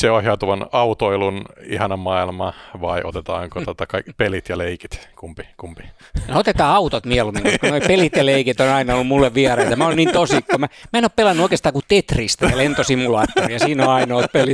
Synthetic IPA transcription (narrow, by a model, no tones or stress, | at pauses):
seoheɑt̪uʋɑnɑut̪oilunḭhɑnɑmɑilmɑʋɑiʔo̰t̪et̪ɑ̰ːŋkoot̪ɑkɑikpelit̪jɑleikit̪kumpikumpi̥ | neot̪et̪ɑːɑut̪ot̪mielumiŋokunoipelit̪jɑleikit̪onɑinɑolːumulːeʋʋiæreit̪æmæonint̪osikːomæmæˑenoːppelɑnːuoikest̪ɑːkut̪et̪rist̪æɑlent̪osimːulɑːt̪ːorijɑsiːnoɑinoːt̪peli